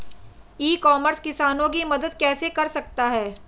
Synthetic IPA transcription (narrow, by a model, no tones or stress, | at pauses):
iːkɔːməɾskɪsaːnõk̬imɐd̪əd̪̚kɛːsekɐɾsɐk̚t̪aɦɛː